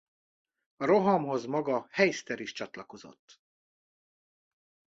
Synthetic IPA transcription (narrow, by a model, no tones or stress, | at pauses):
ɒɾo̞ɦɒmɦo̞zmɒɡɒhɛjst̪ɛɾiʃt͡ʃɒt̪lɒko̞zo̞̰t̪ː